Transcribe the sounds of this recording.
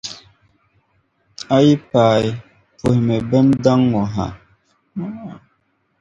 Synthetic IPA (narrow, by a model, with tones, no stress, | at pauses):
a˦ji˦paː˨j | pu˨hmɛ˨bɛ˦nda˦ŋwɔ˨ɦa̰˨˦˨